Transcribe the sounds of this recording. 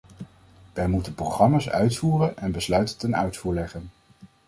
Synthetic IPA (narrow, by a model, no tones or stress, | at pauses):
ʋɛjmutəprowχrɑmaːsœ̰ɥtfuːrənɛnbəslœɥtətɛnœ̰ɥtfuːɹlɛχən